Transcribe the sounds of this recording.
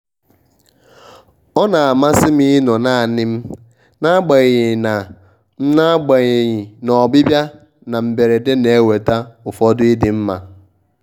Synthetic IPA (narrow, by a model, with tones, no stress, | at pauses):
ɔ˦na˨a˨ma˦sɪ˦mi˦nɔ˨na˦˨a˨nɪ˦m̩˦ | na˦ɡ͡ba˨ɣɪ˨ɪ˨na˨ | n̩˦na˦ɡ͡be˨ɣɲɪ˨nɔ˨bɪ˦bja˦ | na˨m̩˨be˨ɾe˨de˦ne˨e˦we˨ta˦ʊ˨fɔ˦dʊ˦i˦dɪ˨m̩˦ma˨